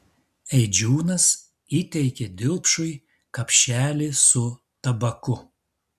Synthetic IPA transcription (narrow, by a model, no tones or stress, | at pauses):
ɛɪd͡ʒʲuːnɐs | iːt̪ʲɛɪkʲɛd̪ʲɪlˠpʃʊɪ | kɐpʲʃʲæːlʲisʊ | t̪ɐbɐkʊ